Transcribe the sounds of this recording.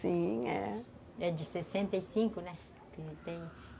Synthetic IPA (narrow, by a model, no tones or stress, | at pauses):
sĩɛ̰ | ɛd̪ɪsesẽnt̪eisĩŋkʊnɛ̃ | kɪt̪ẽj̃